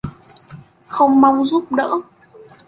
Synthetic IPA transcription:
xə˧wŋ͡mma˧wŋ͡mzu˦˥p̚ɗə̰ː˧˥

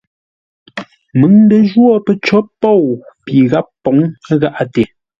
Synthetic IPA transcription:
mɨ˨˦ŋndə˨ʒwɔ˦˨pə˨t͡ʃɔ˨˦pɔ˦˨wpi˨ɣa˦pːɔ˨˦ŋ˦ɣa˦ʔa˦te˨

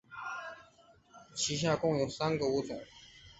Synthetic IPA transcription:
t͡ɕʰi˧˥ɕ̬ja˥˧kʊ˥ŋjo˨˩ʊsa˥nɡə˨u˥˩t͡sʊ˨˩˦

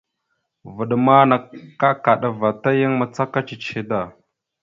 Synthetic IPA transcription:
və˨ɗma˦na˨a˦ka˨ɗa˨va˨ta˦jə˦ŋma˨t͡sa˦ka˦t͡ʃi˨t͡ʃi˨da˨

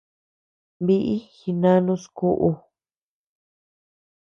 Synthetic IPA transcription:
βi˦ʔi˦xi˧nã˦nũ˧˦sku˦ʔu˧

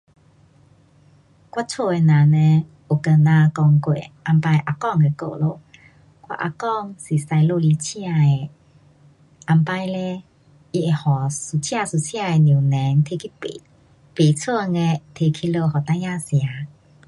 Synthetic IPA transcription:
kwa˦t͡sʰo˧˨e˧nã˨nẽ˧ | o˨˩kə˧nã˧kɔ˧ŋkwḛ˨ʔa˧mpa˧jʔa˧kɔ˥˧˨ŋe˧˨ko̰˧˨lo˧˨ | kwa̰˦˧ʔa̰˧kɔ˥˧ŋsi˨˩sa˧jlo˧li˧t͡ɕʰj̃a˧e˨ | ʔa˧mpa˧jle˧˦ | i˧e˨hɔ˨su˨˩t͡ɕʰj̃a˧su˨t͡ɕʰja˥˧e˨nũ˨˩nɛ˨˦nt̪ʰe˧kʰi˦˨ | pe˨t͡sʰə˥˧ŋe˧t̪ʰe˧kʰi˦lo˧ɦɔ˨˩t̪ã˧˦jã˧˨sja˨˦

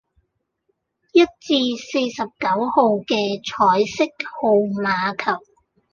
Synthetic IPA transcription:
jɐ˥t̚t͡siː˧se˧jsɐ˨p̚kɐ˨˥who˨˧wkɛː˧t͡ʃʰɔː˨˥jsɪ˥k̚ho˨wmaː˨˧kʰɐ˨˩w̚

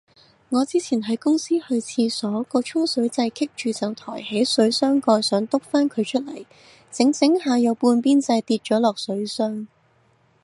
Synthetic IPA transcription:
ŋɔː˨˧t͡siː˥t͡sʰiː˨˩nɦɐ˨˥jkʊ˥ŋsiː˥hɵ˧ɥt͡sʰiː˧sɔː˨˥kɔː˧t͡ʃʰʊ˥ŋsɵ˨˥ɥt͡sɐ˧jkʰɪ˥k̚t͡ʃyː˨t͡sɐ˨wt̪ʰɔ̰ː˨˩jhe˨˥jsɵ˨˥ɥsœː˥ŋkɔː˧jsœː˨˥ŋt̪ʊ˥k̚faː˥nkʰɵ˨˧ɥt͡ʃʰɵ˥t̚lɐ˨˩j | t͡sɪ˨˥ŋt͡sɪ˨˥ŋɦaː˨˧jɐ˨˧wpuː˧npiː˥nt͡sɐ˧jt̪iː˧t̚t͡ʃɔː˨˥lɔː˨k̚sɵ˨˥ɥsœː˥ŋ

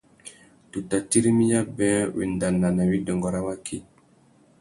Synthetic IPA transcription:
tu˨ta˨ti˦ɾi˦mi˦ja˦bɛ̃˦wḛ˨nda˨nːa˨na˨wi˦dɔ˨ŋɡɔ˨ɾa˦wa˦kʰi˨

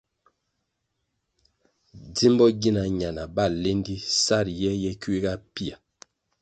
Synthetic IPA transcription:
di˦mbɔ˦ɡi˦na˨ɲa˨na˨ba˦˨le˦ndi˦sa˦˨ɾjɛ˦jɛ˦ki˦ɡa˦pi˦a˨

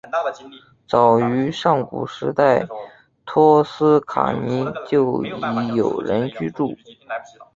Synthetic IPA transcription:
t͡sɑ˨˩ʊy˧˥ʂɑ˥˩ŋkṵ˨˩ʂɻ̩˧˥t̪a˥˩ɪ | t̪ʰɔ˥sɹ̩˥kʰa̰˨˩ni˧˥t͡ɕjo˥˩ʊi˧˥jo˨˩ʊɻə˧˥nt͡ɕy˥˧ʈ͡ʂu˥˩

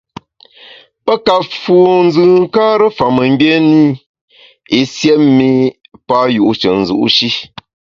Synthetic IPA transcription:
pə˦ka˨fuː˨n̩˦zɨ˨ŋ̩˦kaː˦ɾə˦fa˨mə˨m̩˦be˦ni˦ | i˨sjɛ˦mi˦ | pa˦ju˨ʔu˦t͡ʃə˨n̩˨zṵ˨ʔṵ˦ʃi˦

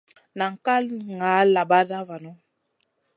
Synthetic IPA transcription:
na˨ŋ̩˨ka˦lŋa˨˦la˨ba˦da˦va˨nɔ˦

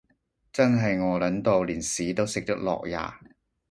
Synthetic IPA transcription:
t͡sɐ˥nɦɐ˨jŋɔː˨˧lɐ˨˥nt̪o˨˧wliː˨˩nsiː˨˥t̪o˥wsɪ˨k̚t̪ɐ˥k̚lɔ̰ː˨k̚ja̰ː˨˩

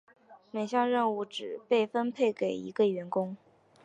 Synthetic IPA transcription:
me˨˩ɪɕjɑ˥˧ŋɻə˥˧nu˥˩ʈ͡ʂɻ̩˨˩pe˥˩ɪfə˥npʰe˥˩ɪke˨˩ɪḭ˧˥ɡə˧ɥɛ˧˥nkʊ˥ŋ

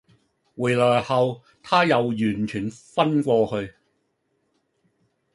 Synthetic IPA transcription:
wuː˨˩jlɔː˨˩jhɐ˨˧w | t̪ʰaː˥jɐ˨˧wjyː˨˩nt͡ʃʰyː˨˩nfɐ˥nkʷɔː˧hɵ˧ɥ

